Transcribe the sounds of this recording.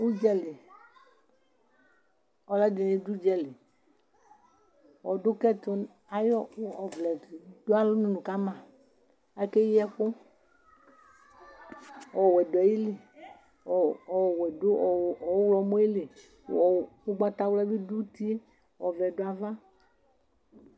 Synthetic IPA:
wu˦d͡ʒɛ˦lɪ˨ | ɔ˨lɛ˦de˨nẽ˨d̪u˦d͡ʒɛ˦lɪ˨ | wɔ˨dʊ˦kɛ˦t̪ʊ˦ | a˨jɔ˦ɔ˨vlɛ˨d̥o˦a˦lʊ˦nũ˦nũ˨ka˦mã˨ | ɛ˦ke˦ji˦ɛ˦ɸʊ˦ | ɔ˨wɛ˨dɔ˨ji˦le˨ | wɛ˨do˦˨ɔ˨˦wlɔ˨˦mõ˦i˦le˨ | u˦ɡ͡ba˦t̪a˦wlɛ˦bi˦du˦t̪i˦e˦ | wɔ˨vɛ˨do˦a˨va˦

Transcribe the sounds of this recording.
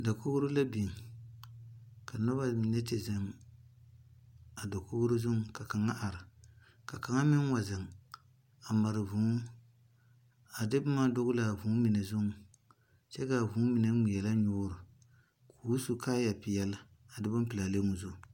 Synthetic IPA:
da˨ko˦ɡʊ˦ɾʊ˦la˦bi˨ŋ | ka˨nɔ˦ba˦mi˨nɛ˦t͡ʃɛ˨zɛ˦m | a˨da˨ko˦ɡʊ˦ɾʊ˦zʊ˦ŋ˦ka˨ka˨ŋa˦ʔa˨ɾɪ˨ | ka˨ka˨ŋa˦mɪ˦n˦wa˨zɪ˨ŋ | a˨ma˨ɾɪ˨vu˨˦ | a˨dɪ˦bʊ˦ma˦dʊ˦ɡʊ˦la˨vu˨˦mi˨nɛ˨zʊ˦ŋ˨˦ | t͡ʃɛ˦ka˨vũː˨˦mi˨na˦ŋi˨jɛ˨la˦ɲʊ˦ɾʊ˨ | kʰuː˨˦su˨kaː˦ja˨pɪ˨jɛ˦la˦ | a˨dɪ˦bʊ˦pɪ˨la˨le˦mʊ˨zʊ˦˨

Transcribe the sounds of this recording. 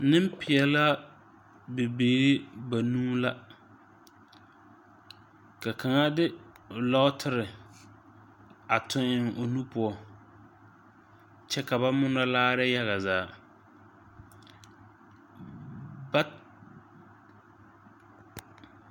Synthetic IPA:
nɪ˦m˦pɪ˨ɛ˨la˦ | bɪ˨beː˨ɾɪ˦ba˨nũː˦la˦ | ka˨kʰa˨ŋa˦dɪ˦˨ | lɔ˦ʊ˦tʰɪ˦ɾɪ˨ | a˨tʰʊ˦ɪ˦ŋʔo˨nu˦pʊ˦ɔ˨ | t͡ʃɛ˦ka˨ba˦mʊ˦nɔ˦laː˦ɾɛ˦ja˦ɣa˨zaː˦˨ | ba˦

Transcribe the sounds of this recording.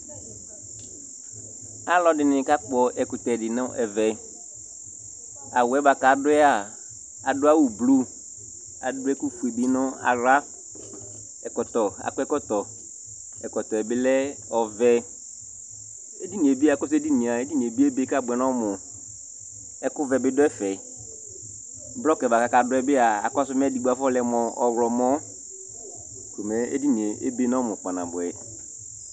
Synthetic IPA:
a˦lɔ˦dɪ˨nɪ̃˨ka˦k͡pɔ˨ɛ˨kʊ˨t̪ɛ˨dɪ˨nʊ̃˦ɛ˨vɛ˨ | a˨wɛ˨˦ba˨ka˨dʊ˦ɛ˦a˨ | a˨dʊ˦a˦wʊ˨blu˦ | a̰˨dʊ˦ɛ˦ku˦fu˨e˨bi˦nʊ̃˦a̰˨ɾa˦ | ɛ˨kɔ˨t̪ɔ˨a̰˨kʊ˦ɛ˦kɔ˦t̪ɔ˨ | ɛ˨kɔ˨t̪ɔ˨ɛ˨bɪ˦lɛ˦ | ɔ˨vɛ˦ | e˦di˦nĩ˨e˨bi˦a˨ɛ˦kɔ˦s̬ʊ˦e˦di˦nĩ˨a˨e˦di˦nĩ˨e˨bi˦e˦be˦ka˦˨bʊ˨ɛ˨nɔ˦mʊ˨ | ɛ˦kʊ˦vɛ˨bɪ˦dɔ˦ɛ˦fɛ˨˦ | blɔ˦kɛ˨va˨ka˨ka˨dʊ˦ɛ˦bɪ˦a˨a˨kɔ˦s̬ʊ˦m˦ɛ˦di˨ɡ͡ba˨fɔ˦lɛ˨mɔ˨ɔ˨wlɔ˨mɔ˦ | ko˨mɛ˨ḛ˦di˦ni˨e˨ḛ˦be˦nɔ̃˦mʊ̃˨k͡pa˨nã̰˨bʊ˨ɛ˨

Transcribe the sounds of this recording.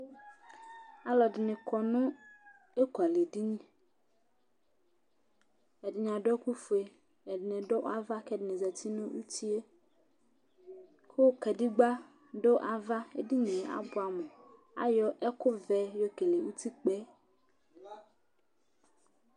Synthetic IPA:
a˨lɔ˨dɪ˨nẽ˨kʰɔ˨nũ˦ | e˦ku˨a˨le˨di˦ɲĩ˦ | ɛ˨dɪ˨ɲã˨ɖo˦e˦ku˦fu˨e˨ | ɛ˨dɪ˨nẽ˨ɖo˦ʔa˦va˦kɛ˦dɪ˨nẽ˨zɛ˨t̪i˦nũ˦wṵ˦t̪i˦e˦ | ko˦kɛ˨di˦ɡ͡ba˦ | ɖo˦ʔa˨va˦e˦di˦ɲẽ˨a̰˨bʊ˦a˨me˨ | a̰˨jɔ˦ʔɛ˦ko˦vɛ˦jo˦ke˨le˨wu˦t̪i˦k͡pɛ˦

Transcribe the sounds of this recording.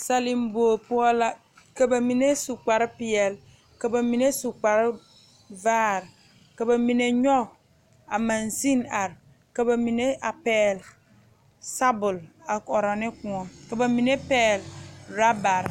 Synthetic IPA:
sa˦li˨m˦bo˨pu˦ɔ˦la˦ | ka˨ba˨mi˨ne˦su˨k͡pa˨ɾpi˨ɛ˦˨l | ka˨ba˨mi˨ne˦su˨k͡pa˨ɾ | vaː˦˨ɾ | ka˨ba˨mi˨ne˨ɲɔ˦ | a˨mã˨nsi˦na˨ɾ | ka˨ba˨mi˨ne˦ʔa˨pɛː˦l | sa˦bʊ˨la˨ɔ˨ɾa˨nɪ˦kũ˨ɔ˨ka˨ba˨mi˨ne˦pɛː˦˨lɾa˦ba˨ɾ

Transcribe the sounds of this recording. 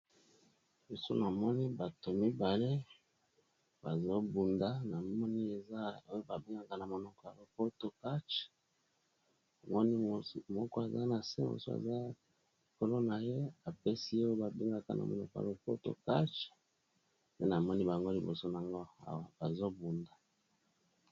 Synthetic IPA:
bo˨so̰˦na˨mɔ˦ni˦ba˨to˨mi˦ba˨le˦ | ba˨zo˦bu˨nda˦na˨mɔ˦ni˦e˨za˦o˦ba˨bi˦ŋɡa˦ka˦na˨mo˨nɔ˨kɔ˨a˨lo˨po˦to˦ka˦t͡ʃ | a˨mɔ˦ni˦˨˦mɔ˦kɔ˦a˨za˦na˨sɛ̰˦mo̰˨so˦a̰˨za˦ | i˨ko˦lo˦na˨je˦a˨pe˦si˦je˦o˦ba˨bi˦ŋɡa˦ka˦nʔa̰˨mo˨nɔ˨kɔ˨a̰˨lo˨po˦to̰˨ka˦t͡ʃ | pe˦na˨mɔ˦ni˦ba˨ŋɡo˦li˨bo̰˨so˦n˨a˨ŋɡo˦a̰˨wa˨ba˨zo˦bu˨nda˨

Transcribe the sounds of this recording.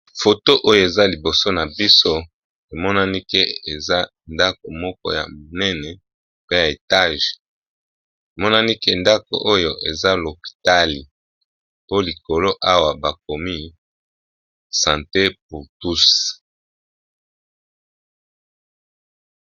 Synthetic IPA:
fo˨to˦ʔo˦jo˦˨e˨za˦li˨bo˨so˦na˨bi˦so˦ | e˨mɔ˦na˦ni˦ke˦e˨za˦ | nda˦k̚o˨mɔ˦k̚ɔ̰˦ja̰˨m˨nɛ˦nɛ˨ | pe˦ja˨e˨ta˦ʒ | e˨mɔ˦na˦ni˦ke˦nda˦ko̰˨ʔo˦jo˦ʔe˨za˦lo˨pi̥˨ta˦li˨ | po˦li˨ko˨lo˦ʔa˦wa˨ba˨k̚o˨mi˦ | sã˨nte˦p̚u˨tu˦s

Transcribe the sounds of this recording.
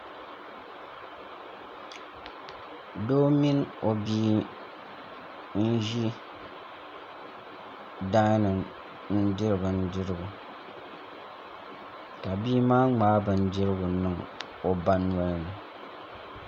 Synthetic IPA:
do˦mi˦no˨biː˦ | n̩˦ʒi˦ | daː˦nɨ˨m | n̩˦dɪ˦ɾɨ˨bɨ˨n̩˦dɪ˦ɾɨ˦ɡʊ˨ | ka˨biː˦maː˦ŋ͡maː˦bɨ˨n̩˦dɪ˦ɾɨ˦ɡʊ˨nɨ˨ŋ | o˨ba˦n˦a˦lɨ˦nɨ˨

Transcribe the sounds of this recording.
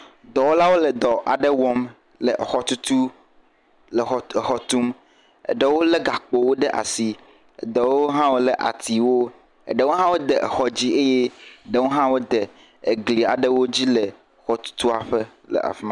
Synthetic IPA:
d̪ɔ˨wo˦la˦wo˦lɛ˨d̪ɔ˨ʔa˨ɖe˦wɔ˦m | le˨xɔ˦t̪u˦t̪u˦ | le˨xɔ˨t̪u˦m | ḛ˨ɖe˦wo˦le˦ɡa˨k͡po˨wo˦ɖe˦ʔa̰˨si˨ | ḛ˨d̪e˨wo˦ɦã˦wo˦le˨ʔa̰˨t̪i˨wo˦ | ḛ˨ɖe˦wo˦ɦã˦wo˦d̪e˨ʔxɔ˨d͡ʑi˦e˦je˦ɖe˦wo˦ɦã˦wo˦d̪e˨ | e˨ɡli˨a˨ɖə˦wo˦d͡ʑi˦le˨ | xɔ˦t̪u̥˦t̪u˦a˨ɸə˦ | lə̰˨ʔa̰˨fi˦mã˨

